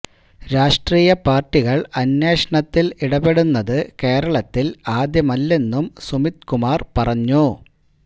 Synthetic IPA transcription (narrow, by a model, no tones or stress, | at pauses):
ɾaːʂʈriːjɐpaːrʈːiɣɐɭɐnjeːʂɐɳɐt̪ːiliɽɐbe̞ɽunːɐðɨke̞ːɾɐɭɐt̪ːilaːd̪jɐmɐlːe̞nːumsumit̪kumaːrpɐrɐɲːu